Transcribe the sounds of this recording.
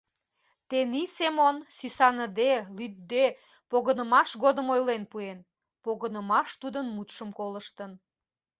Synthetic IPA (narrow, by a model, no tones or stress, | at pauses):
t̪enisemonsisɑnəd̪elyt̪̚d̪e | poɣənəmɑʃɣod̪əmojlenpuen | poɣənəmɑʃt̪ud̪ənmut̪ʃəmkoləʃt̪ən